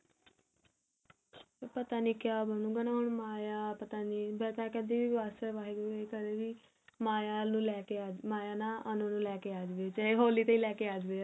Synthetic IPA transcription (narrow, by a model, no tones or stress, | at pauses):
epət̪aːniːkjaːbənũːɡaːnaːɦʊɳmaːjaːpət̪aːniːbɛːt̪ãːkɛ̃ːd̪iːʋiːʋʋaːsəʋaːɦeːɡeːkəd̪eːʋiː | maːjaːnũːlɛːkeaːd͡ʒmaːjaːnaːʔənõːnũːlɛːkeːaːd͡ʒʋeːt͡ʃaːeɦoːliːt̪ẽĩːlɛːkeːaːd͡ʒʋeː